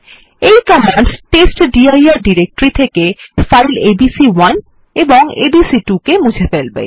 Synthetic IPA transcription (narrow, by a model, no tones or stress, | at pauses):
ejkɔmaɳɖsʈesʈɖiajaɾɖiɾek̚ʈɾit̪ʰekefajlebisiwan | eboŋḛbisiʈukemud͡ʑʱefelbḛ